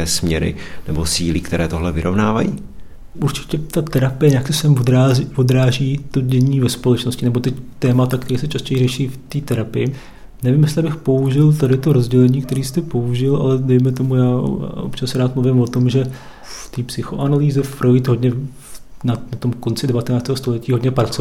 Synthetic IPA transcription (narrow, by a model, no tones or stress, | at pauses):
ɛːsmɲɛɾɪ̰nɛbosiːlɪkt̪ɛɾɛːt̪oɦlɛvɪɾovnaːva̰jḭː | ʔuɾt͡ʃɪ̥cɛt̪at̪ɛɾapɪjɛjaksɛsɛmvod̪ɾaːzvod̪ɾaːʒiːt̪o̞ɟɛɲiːvɛspo̞lɛt͡ʃnoscɪnɛbo̞t̪ɛct̪ɛːmat̪ak̚t̪ɛɾiːsɛt͡ʃascɛjrɛʃiːft̪iːt̪ɛɾapɪjɪ | nɛvɪmjɛstlɪbɪxpo̞uʒɪlt̪adɪt̪o̞ɾo̞zɟɛlɛɲiːkt̪ɛɾiːst̪ɛpo̞uʒɪla̰lɛdɛjmɛt̪̬o̞muja̰ːʔo̰pt͡ʃasɛɾaːt̪̚mluvɪmvo̞t̪o̞mʒɛ | ft̪iːpsɪxo̞ʔanaliːzɛffɾojɪt̪ɦo̞dɲɛ | fnanat̪o̞mko̞nt͡sɪdɛvat̪ɛnaːt͡st̪ɛːɦost̪olɛciːɦodɲɛpɾat͡so